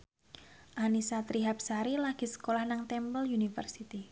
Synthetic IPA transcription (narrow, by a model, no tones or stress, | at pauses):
ʔanisat̪ɾiɦap̚saɾilaɡ̥i̤sə̥kolahnaŋt̪ɛmpəlunifə̰rsit̪i